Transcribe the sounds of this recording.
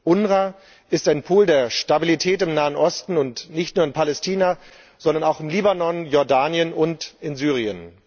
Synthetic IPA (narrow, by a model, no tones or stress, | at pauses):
ʔʊnʁa | ʔɪstaɪnpʰuːldeːɐʃtabilitʰɛːtɪmnaːənʔɔstn̩ʊntnɪçtnuːɐɪnpʰalɛstʰiːna | z̥ɔndɐnaʊxɪmliːbanɔnjɔɐdaːnjənʔʊntɪnzyːʁ̞iən